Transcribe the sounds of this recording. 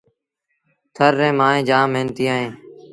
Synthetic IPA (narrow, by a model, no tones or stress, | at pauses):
t̪ʰəɾːẽːmaːẽːd͡ʒaːmẽːnt̪iːaːɦẽː